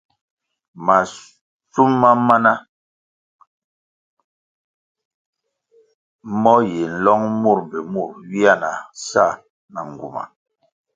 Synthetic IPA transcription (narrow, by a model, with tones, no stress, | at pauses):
ma˨ | su˦mːa˦ma˦na˦ | mɔ˦je˨n̩˦lɔ˦ŋmu˦˨ɾbɛ˨mu˦˨ɾwi˦a˦˨na˨sa˦˨ | na˨ŋɡu˨ma̰˨